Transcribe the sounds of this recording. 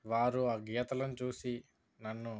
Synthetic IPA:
ʋaːɾuaːɡijɐt̪ɐlɐnt͡ʃuːsi | nɐnːu

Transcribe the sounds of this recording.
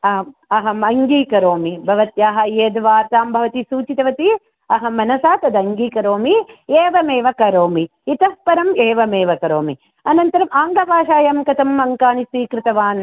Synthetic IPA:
ɐɦɐɐɦɐmɐŋɡiːkɐɾoːmibʱɐʋɐt̪jaːɦɐjeːd̪ʋaːɾt̪aːmbʱɐʋɐt̪isuːt͡ʃit̪ɐʋɐt̪i | ɐɦɐmɐnɐsaːt̪ɐd̪ɐŋɡiːkɐɾoːmieːʋɐmeːʋɐkɐɾoːmi | it̪ɐspɐɾɐmeːʋɐmeːʋɐkɐɾoːmi | ɐnɐnt̪ɐɾɐmaːŋɡɐbʱaːʃaːjɐmkɐt̪ɐmːɐŋkaːnisiːkɾɪt̪ɐʋaːn

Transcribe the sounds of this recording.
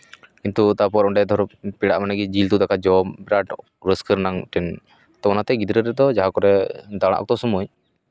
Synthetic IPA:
kint̪ut̪apɔɾɔɳɖɛd̪ʱɔɾpiɽaʔmanaɡɛd͡ʒilt̪ud̪akad͡ʒɔmbɾaʈ | ɾəskəɾnaŋʈɛn | t̪ɔnat̪ɛɡid̪ɾəɾɛd̪ɔd͡ʒaɦakɔɾɛd̪aɽ̃a̰ʔk̚ɔt̪ɔsumuɲ

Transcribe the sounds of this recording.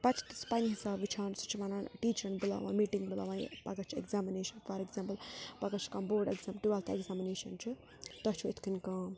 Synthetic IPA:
pɐt͡ʃʰi̥t̪spaniɦisaːbʋit͡ʃʰansut͡ʃʰiʋananʈiːt͡ʃʰɐnbila̰ːʋã̰miːʈiŋɡbila̰ːʋãpɐkɐt͡ʃʰḛkzamineːʃɐnfʰɐɾekzampɐlpɐkɐt͡ʃʰkɐmboːɖeɡzampʈuʋalt̪ʰeɡzamineːʃɐnt͡ʃʰu | t̪ɐt͡ʃʰuet̪ʰkinka

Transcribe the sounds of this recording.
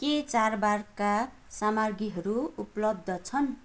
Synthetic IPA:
ket͡sarbarka | samarɡiɦʌɾuuplʌb̚d̪ʱʌt͡sʰʌn

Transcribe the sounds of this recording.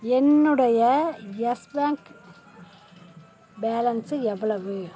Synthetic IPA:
ɛnːɯɽɐjɐjɐsbaːŋk | beːlɐnsɯɛʋːɐɭɐʋɯ

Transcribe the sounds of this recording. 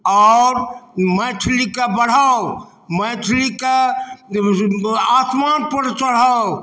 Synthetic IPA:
ɔɾməjt͡ʃʰlikabəɽ̤aw | məjt͡ʃʰlika | asmanpəɾt͡ʃəɽ̤aw

